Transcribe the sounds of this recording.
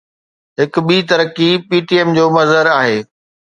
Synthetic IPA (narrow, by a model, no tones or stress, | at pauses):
ɦɪk̆ɓiːt̪ɐɾəkipiːʈiɛːmd͡ʑoːmɐzəɾaːɦeː